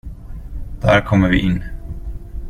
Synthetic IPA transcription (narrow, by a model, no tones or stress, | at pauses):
d̪̥æɾkʰɔmːəɾvɪ̰ʔɪnː